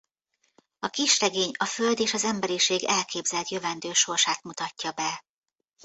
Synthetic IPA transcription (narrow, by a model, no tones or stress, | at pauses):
ɒkiʃrɛɡeːɲɒfø̞ld̪eːʃɒzɛmbɛɾiʃeːɡɛlkʰeːbzɛlt̪jøvɛnd̪øːʃo̞rʃaːt̪mut̪ɒcːɒbɛ